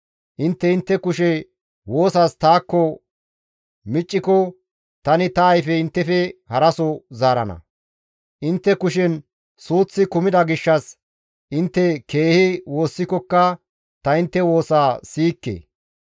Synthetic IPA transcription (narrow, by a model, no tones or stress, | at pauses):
ʔɪnt̪ːɛɪnt̪ːɛkʊʃɛ | woːsast̪aːkːɔ | mɪt͡ʃʼːɪkɔ | t̪ɐnɪt̪ɐːjfɛɪnt̪ːɛfɛhɐɾɐsɔzaːɾɐ̰nɐ̰ | ʔɪnt̪ːɛkʊʃ̬ɛn | suːt͡sːɪkʊmɪd̪ɐɡɪʃːɐs | ʔɪnt̪ːɛke̞ːhɪwo̞ːsːɪkɔkːɐ | t̪ɐɪnt̪ːɛwo̞ːsaːsiːkːḛː